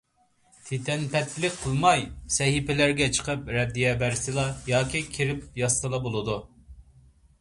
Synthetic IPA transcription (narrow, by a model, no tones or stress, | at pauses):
t̪ʰet̪ʰɛnpɛt̪ʰːlɪk̚ʲqʰəlˠmɑjsɛɦipɪlæɾɡʲɛt͡ʃʰə̥qʰəpɾɛd̪ːijɛbæɾsɨlˠɑjɑːkʲikʲʰiɾɪp̚jɑst̪ɨlˠɑbolˠɨd̪u